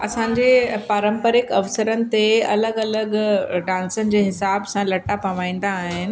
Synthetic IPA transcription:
ɐsãːɲd͡ʑepaːɾə̃mpəɾɪkɐʋsəɾənɪ̆t̪eɐ̰ləɡɐləɡɖãːnsənɪ̆d͡ʑeːɦɪsaːbsãlɐʈapɐʋãːĩːn̆d̪aːɦɪnɪ̆

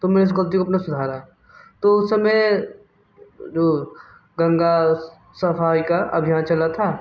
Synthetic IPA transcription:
t̪omɛɪs̬ɡɐlt̪̬ikoɐp̬nasʊd̪ʱaːɾa | t̪oʊsːɐmej | d͡ʒoː | ɡɐ̃ŋɡa | sɐfaːikaʔɐ̰bʱijaːnt͡ʃɐlat̪ʰaː

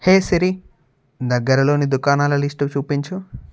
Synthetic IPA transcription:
heːsɐɾi | d̪ɐɡːɐɾɐlo̞ːnid̪ukaːnaːlɐlisʈut͡ʃuːpiɲt͡ʃu

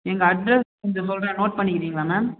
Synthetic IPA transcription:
ɛŋɡɐɐɖɾɛs | ɛnd̪ɐsɔlranoːʈ̚pɐɳːɪkɪɾiːŋɡɐɭaːnaː

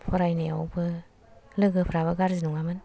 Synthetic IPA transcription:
pʰɔɾajnejawbɯ | lɯɡɯpʰɾaβɯɡaɾzinuŋamɯn

